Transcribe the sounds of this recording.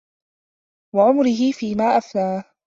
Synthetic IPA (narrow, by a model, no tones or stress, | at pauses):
waʕʊmɾɪɦɪfiːmaːʔaflaːh